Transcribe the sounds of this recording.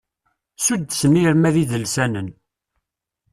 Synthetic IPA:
sud̪smiɾmæðiðəlsænən

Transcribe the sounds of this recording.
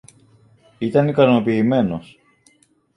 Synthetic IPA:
it̪ɐnikɐno̞piːme̞no̞s

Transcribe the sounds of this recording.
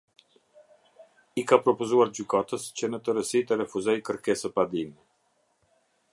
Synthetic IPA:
ikapɾɔpuzuaɾd͡ʑykat̪əscənət̪əɾəsit̪əɾɛfuzɛjkəɾkɛsəpad̪inɛ

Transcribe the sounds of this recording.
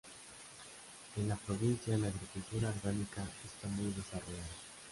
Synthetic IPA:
enlapɾoβinθjaelaːɣɾikult̪uɾaːɾɣanikaest̪amujðesaroʝaða

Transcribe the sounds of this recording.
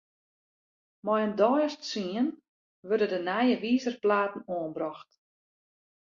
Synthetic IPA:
mɔjəndɔjəstsiən | ʋørdədənajəʋiːzərplaːtn̩oənbrɔxt

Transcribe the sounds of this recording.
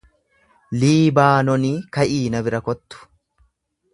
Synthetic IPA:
liːbaːnɔniːkɐʔiːnɐbɪɾɐkɔt̪ːʊ̥

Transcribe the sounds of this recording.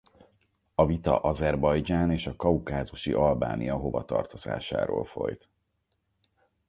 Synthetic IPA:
ɒvit̪ɒʔɒzɛrbɒjd͡ʒaːneːʃɒkɒukaːzuʃiʔɒlbaːnijɒɦo̞vɒt̪ɒ̰rt̪o̞z̥a̰ːʃa̰ːɾoːlfo̞̰jt̪

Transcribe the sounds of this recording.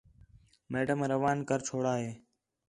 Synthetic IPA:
meːɖəmɾəʋaːnkəɾt͡ʃʰoːɽaːɦeː

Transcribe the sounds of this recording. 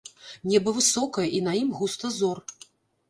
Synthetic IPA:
nʲɛbɐvɨsɔkɐjɐʔinɐjimɣust̪ɐzɔr

